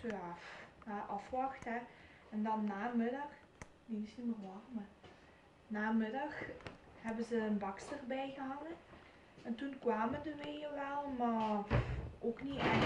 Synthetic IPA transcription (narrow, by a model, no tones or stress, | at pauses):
tøafaʔɑfʋɑxtɦɛ | ɛndɑnːaːmɪdɑx | nenɪsimərʋɑrmə | naːmɪdɑxhɛbəzəːnbɑkstərbɛjɣəɦɑŋə | ɛntunkʋaːməndəʋeəʋɛlˠma | oːkniɛ